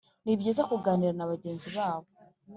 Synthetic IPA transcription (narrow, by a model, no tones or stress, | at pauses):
nibɟiːzakuɡaːniɾanaβaɟe̞ːnziβaːβo